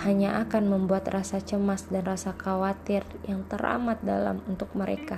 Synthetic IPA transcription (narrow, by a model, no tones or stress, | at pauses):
haɲaʔakanməmbuat̪rasat͡ʃəmasdanrasakawat̪ɪrjaŋt̪əɾa̰mat̪̚da̰la̰munt̪ʊk̚məɾeka